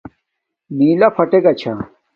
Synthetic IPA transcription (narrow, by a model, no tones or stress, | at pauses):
miːlɐfʰɐʈeɡɐt͡ɕʰa